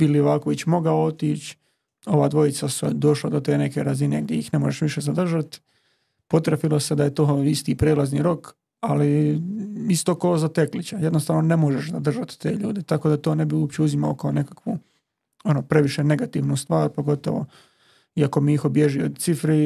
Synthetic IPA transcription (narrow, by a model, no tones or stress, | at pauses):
piliʋaːko̞ʋit͡ɕmo̞ɡaoot̪iːt͡ɕ | o̞ʋaːd̪ʋo̞it̪sased̪o̞ʃlad̪ot̪e̞ːne̞ke̞ɾazine̞ːɡ̚d̪ʲjeixne̞moʒeʃʋiʃe̞zad̪r̩ʒat̪ | po̞t̪ɾafilose̞d̪aje̞t̪o̞ːist̪iːpɾeːlazniːɾo̞k | ali | ist̪o̞ːkoːzat̪e̞klit͡ɕajd̪nost̪aːʋnone̞moʒeʃzad̪r̩ʒat̪t̪e̞ːʎuːd̪et̪ako̞ːd̪at̪oːne̞biuːpt͡ɕeuzima̰okaone̞kḁkʋu | o̞nopɾe̞ʋiʃe̞ne̞ɡat̪iːʋnust̪ʋaːɾpo̞ɡo̞t̪o̰ʋo̞̰ | iako̞miixobjeʒiod̪t̪sifɾi